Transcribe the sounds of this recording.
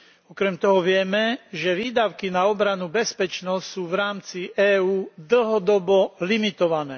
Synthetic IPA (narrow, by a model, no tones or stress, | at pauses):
ɔkɾɛmt̪ɔɦɔʋɪɛmɛʒɛʋiːd̪aʊkinaɔbɾanubɛspɛt͡ʃnɔstsuːʋɾaːmt͡siʔɛːuːd̪l̩ɦɔd̪ɔbɔlimit̪ɔʋanɛː